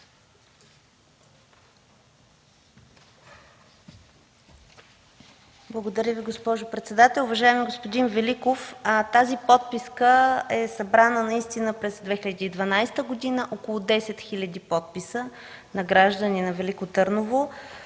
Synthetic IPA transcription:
blˠəɡod̪ɐɾʲəviɡospɔʒʊpɾɛt̪sɛd̪at̪ɛlˠʊvɐʒaɛmiɡospod̪invɛlikoft̪azipɔt̪̚piskəɛsɐbɾanənɐist̪inəpɾɛzd̪vɛxilʲɐd̪ʲiːd̪vɐnajst̪əɡod̪inəʔokolˠʊd̪ɛsɛt̪xilʲɐd̪ipɔt̪̚pisə | nɐɡɾaʒd̪əninɐvɛlikot̪ɤɾnovo

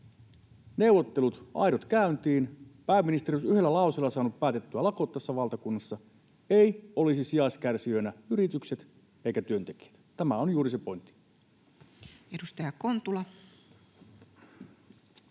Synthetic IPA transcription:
ne̞uwʋˑot̪ːelut̪ʔɑ̰jdot̪kæynt̪iːnpæːmːinist̪eɾiosyhe̞lːælɑˑuselːɑsɑːnuppæːt̪et̪ːyælɑko̞ːt̪ːæsːæʋɑlt̪ɑkunːɑsːɑ | e̞ijo̞lisisiɑskærsiønæyɾit̪ykse̞t̪ | e̞ikæt̪yø̞nt̪e̞k̟i̥æ̥t̪t̪æmæonjuːɾisepo̞jnt̪ːi̥ | edust̪ɑjɑkont̪ulɑ

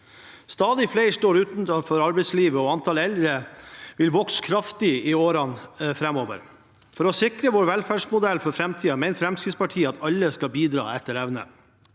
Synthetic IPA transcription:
st̪ɑːd̪ɪflæɪʂʈoːɾʉːt̪nfɔɾɑɾbɛɪsliːʋəɔːɑnt̪ʰɑlɛld̪ɾəʋɪlʋɔkskʰɾɑft̪ɪɪoːɾɑnfɾɛmoːʋə̰ɾ | fɔɾɔsɪkɾəʋoːɾʋɛlfæːʂmʊd̪ɛlfɔɾfɾɛmt̪ʰiːɑmæɪnfɾɛmskɪd̪spɑʈʰiːəɑt̪ʰɑlːəskɑbiːd̪ɾɑ̰ːɛt̪ːəɾɛʋnə̰

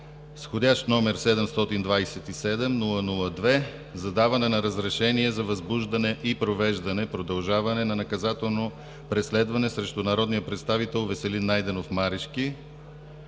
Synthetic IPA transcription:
sxod̪ʲaʃt̪nɔmɛɾsɛd̪ɛmst̪ɔt̪ind̪vajsɛt̪isɛd̪ɛmnulˠənulˠəd̪vɛ | zɐd̪avɐnɛnɐɾəzɾɛʃɛniɛzɐvɐzbuʒd̪ɐnɛʔipɾovɛʒd̪ɐnɛpɾod̪ɐlˠʒavɐnɛnɐnɐkɐzat̪ɛlˠno | pɾɛslɛd̪vɐnɛsɾɛʃt̪ʊnɐɾɔd̪nijəpɾɛt̪st̪avit̪ɛlˠvɛsɛlinːajd̪ɛnofmaɾiʃki

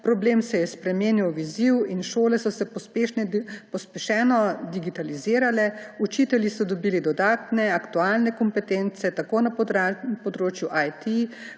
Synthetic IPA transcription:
pɾɔbleːmsɛjɛspɾɛmeːnjawʋiziwinʃoːlɛsɔsɛpeʃnɛpɔspɛʃɛːnɔd̪iɡit̪aliziːɾalɛut͡ʃiːt̪ɛljisɔd̪ɔbiːlid̪ɔd̪aːt̪nɛakt̪uaːlnɛkɔmpɛt̪ent̪sɛt̪akoːnapɔd̪ɾoːt͡ʃjuʔajt̪i

